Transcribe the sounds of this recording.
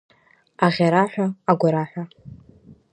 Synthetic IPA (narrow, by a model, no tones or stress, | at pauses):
aʁʲaɾaħʷᶣaːɡʷaɾaħʷa